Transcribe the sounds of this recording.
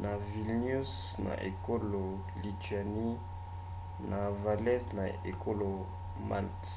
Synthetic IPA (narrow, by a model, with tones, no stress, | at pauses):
na˨vi˨lnu˦s | na̰˨ʔe˨ko˦lo˨ | li˨ta˨ni˦ | na˨va˨lɛ˦sna˨e˨ko˦lo˨ | ma̰˦˨lt